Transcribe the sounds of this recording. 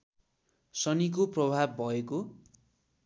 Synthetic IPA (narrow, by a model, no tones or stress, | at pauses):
sʌnik̬oprʌbʱabːʱʌeko